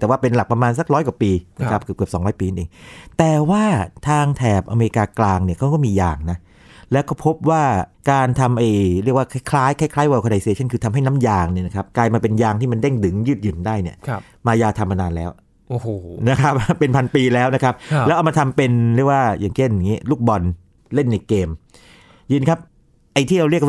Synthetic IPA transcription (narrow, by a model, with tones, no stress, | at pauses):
t̪ɛː˨˩waː˥˩pe˧nla˨˩k̚pɾa˧maː˧ns̬a˨˩k̚ɾɔː˦˥jkwaː˨˩piː˧na˦˥kʰa˦˥p̚kɯ˨˩p̚kɯ˨˩p̚sɔː˨˩˦ŋɾɔː˦˥jpiː˧na˥˩nʔeː˧ŋt̪ɛː˨˩waː˥˩t̪ʰaː˧ŋt̪ʰɛː˨˩pʔa˧me˧ɾi˧kaː˧klaː˧ŋni˥˩ɐkʰa˦˥wkɔː˥˩miː˧jaː˧ŋna˦˥ | lɛː˦˥wkɔː˥˩pʰo˦˥p̚waː˥˩kaː˧nt̪ʰa˧mʔa˧jɾi˥˩ək̚waː˥˩kʰa˦˥˩jkʰlaː˦˥jkʰa˥˩jkʰlaː˦˥jwaː˧˩kʰːda˧jsi˧e˧t͡ɕʰa˥˩nkʰɯː˧t̪ʰa˧mɦa˥˩jna˦˥mjaː˧ŋni˥˩na˦˥kʰa˦˥p̚klaː˧jmaː˧pe˧njaː˧ŋt̪iː˥˩ma˧nde˥˩ŋdɯ˩˦ŋjɯː˥˩t̪̚jɯ˨˩ndaː˥˩jni˥˩ɐ | maː˧jaː˧t̪ʰa˧mːa˧naː˧nlɛː˦˥w | ʔohna˦˥kʰa˦˥p̚pe˧npʰa˧npiː˧lɛː˦˥wna˦˥kʰp̚lɛ˦˥ʔa˧wma˧t̪ʰa˧mpe˧nɾi˥˩ək̚waː˥˩jaː˨˩ŋt͡ɕʰe˥˩nja˨˩ŋːiː˦˥lu˥˩k̚bɔ˧n | le˥˩nːa˧jkeː˧m | jɯː˧nkʰa˦˥p̚ | ʔa˧jt̪ʰiː˥˩ɾa˧wɾi˥˩ək̚w